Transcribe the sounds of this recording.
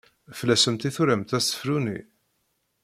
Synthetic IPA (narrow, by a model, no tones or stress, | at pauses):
flæsəmt̪iθuɾæmt̪æstːə̥flunḭ